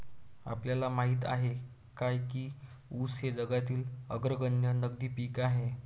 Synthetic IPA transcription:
a̰pljalamaɦiːt̪a̰ɦe | kajkiː | usɦed͡zəɡat̪iːləɡɾəɡəɳjənəɡd̪iːpiːkaɦe

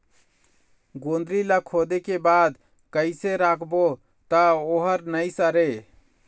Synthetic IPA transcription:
ɡond̪ɾilakʰod̪ekebad̪ | kəɪseɾakʰbo | t̪əoɦəɾnəjsəɾe

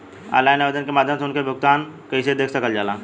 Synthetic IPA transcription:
a̰laːjnaʋed̪ənkemad̪ʱjəmseʊnkʰebʱʊɡ̚t̪aːnkəised̪eːkʰsəkəld͡ʒala

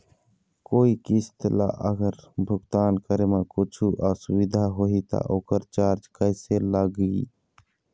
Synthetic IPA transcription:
koːikist̪la̰ʔəɡəɾbʱʊɡt̪aːnkəɾemekʊt͡ʃʰuʔasʊʋid̪ʱaɦoːɦit̪a̰ʔoːkəɾt͡ʃaːɾd͡ʒkəɪselaɡi

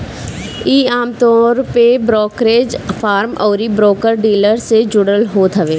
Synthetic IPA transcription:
iːaːmt̪ɔːɾpebɾɔːkɾeːd͡ʒfʰaːɾmɔːɾibɾoːkəɾɖiːləɾsed͡ʒʊɽəlɦoːt̪ɦəʋeː

